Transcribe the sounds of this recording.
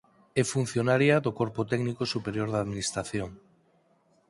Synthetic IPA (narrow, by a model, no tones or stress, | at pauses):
efun̟θjonaɾjaðokoɾpot̪ɛɡnikosupeɾjoɾðaðminist̪ɾaθjoŋ